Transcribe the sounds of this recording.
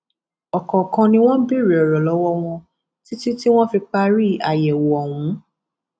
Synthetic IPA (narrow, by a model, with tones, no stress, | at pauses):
ɔ˨kɔ˨kã˧nĩ˧w̃ɔ̃˦bi˦˨ɾi˨ɔ˨ɾɔ˨lɔ˨˦wɔ˦w̃ɔ̃˧ | ti˦tu˦ti˦w̃ɔ̃˦fi˧k͡pa˦ɾi˦a˨jɛ˨wɔ˨ɔ˨w̃ũ˨˦